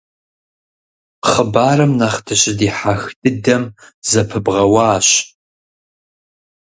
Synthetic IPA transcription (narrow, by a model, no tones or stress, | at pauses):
χəbaːrɨmnaχtʰɨɕʼɪdiːħaxdɨdɐmzɐpʰɨbʁɐwɑːɕ